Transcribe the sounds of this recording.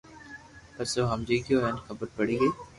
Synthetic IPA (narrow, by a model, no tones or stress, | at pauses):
pɐsoːɦɐmd͡ʒiːkjoːɦɛnxəbəɾpəɽiːɡeː